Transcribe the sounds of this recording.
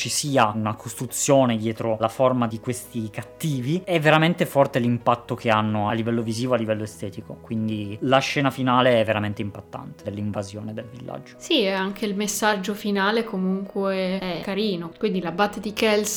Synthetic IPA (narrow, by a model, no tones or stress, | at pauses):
t͡ʃisiːaunakʰost̪ɾut̪sːjoːned̪jɛːt̪ɾolaformad̪ikwest̪ikat̪ːiːviɛvːeɾament̪efɔrt̪elimpat̪ːokʰeanːoalːivɛlːoviziːvoalːivɛlːoest̪ɛːt̪ikokwind̪ilaʃːɛːnafinaːleɛvːeɾament̪eimpat̪ːa̰nt̪ed̪elːiɱvazjoːned̪elvilːʔa̰d͡ʒːosiɛaŋk̟eilmesːad͡ʒːofinaːlekomuŋkweeɛkːaɾiːnokwind̪ilabaːt̪ed̪ikɛls